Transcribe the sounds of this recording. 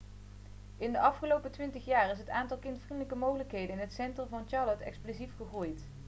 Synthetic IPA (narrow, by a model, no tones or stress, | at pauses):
ɪndəʔɑfχəlowpətʋɪntəχjaːrɪs̬ɦətaːntɑlˠkɪntfrindələkəmowɣələkɦejdənɪnɦətsɛntrəmvɑnt͡ʃɑːlɔtɛ̰ksplozifχəχrujt